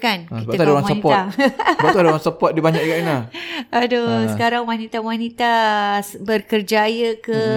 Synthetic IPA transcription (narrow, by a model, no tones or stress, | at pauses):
kankibaət̪aaoɾaŋsaənipɔt̪abauadɾaŋsəpɔt̪̚dibaɲakkaʔinaadosəkaɾaŋwanit̪awanit̪a | bərkərd͡ʒajəkə